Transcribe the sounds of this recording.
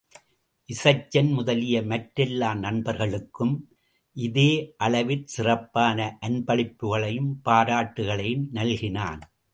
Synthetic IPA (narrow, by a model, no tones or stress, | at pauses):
ʔɪsɐɪt͡ʃːɐnmʊðɐlɪjɐmɐʈɾɪlːaːmnɐnbɐɾɣɐɭɯkːɯm | ʔɪðeːʔɐlɐʋɪɾsɪrɐpːaːnɐʔɐnbɐɭɪpːɯɣɐɭɐjɯmpaːɾaːʈːɯɣɐɭɐjɯmnɐlɣɪna̰ːn